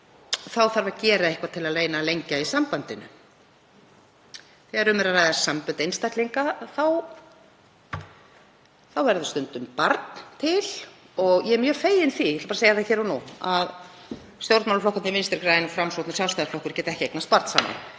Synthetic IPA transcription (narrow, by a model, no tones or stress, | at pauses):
θawθaɾvacɛːɾaehkvat̪ʰɪlaðleːjnalejɲcaisampant̪ɪnʏ̰ | θɛɣaɾʏmɛɾaraːjðasampʏnt̪ejnst̪ajt̪liŋkaθaw | θawvɛɾðʏst̪ʏnt̪ʏmpaɾt̪nt̪ʰɪl̥ | ɔɣjɛɛmjœːfeːjɪnθijɛt̪lapaɾseːjaɾθaçɛːɾanuað | st̪jowɾt̪mawlflɔhkannɪvɪnst̪ɛɾkɾaːjɪnɔfɾamsowt̪nasjawlst̪ajðaflɔhkʏɾ̥cɛːt̪aɛhcɪejknast̪̚paɾt̪saːma̰n